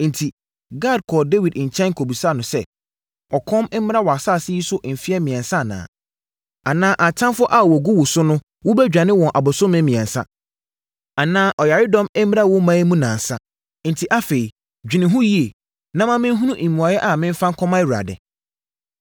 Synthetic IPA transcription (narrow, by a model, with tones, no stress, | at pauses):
n̩˨tʰi˨ | ɡa˦˨d̚kʰɔ˨de˦wi˨dɲ̩˨t͡ɕʰɛ̃˦nŋ˦kʰo˨bi˨sa˦˨nʊ̃˨sɛ˦ | ɔ˨kʰɔ̃˦mɛ˦m̩˦mɪ̃˦a˦wɔ˨a˨sa˦˨sɪ˦ji˦sʊ˦ʔm̩˨fi˦ɛ˦mĩ˨ɛ̃˨nsa˦˨nã̰ː˨ | a˨nãː˦ʔa˨tʰã˦nfʊ˦ʔa˦˨wɔ˨ɡu˦wʊ˨sʊ˦nʊ̃˦ | wʊ˦bɛ˦d͡ʑᶣa˨nɪ̃˦wɔ̃˨nʔa˨bʊ˨sʊ̃˦mɪ̃˦mĩ˨ɛ̃˨nsa̰˦ | a˨nãː˦ʔɔ˨ja˨ɾɪ˦dɔ̃˦mɛ˦m˦m˦ɾa˦wʊ˦mã˦i˦mũ˦nãː˨n˨sa˦ | n̩˨tʰi˨ʔa˦fe˨i˨ | d͡ʑᶣɪ˨nɪ̃˨ɦʊ̃˦ji˦e˨ | nã˦mã˦mɪ̃˦n˦ɦũ˦nũ˦ʔi˨mũ˨a˨jɛ˦ʔa˨mɪ̃˦m̩˦fã˦ŋ˦kʰɔ̃˦mã˦wu˨ɾa̰˨dɛ̰˨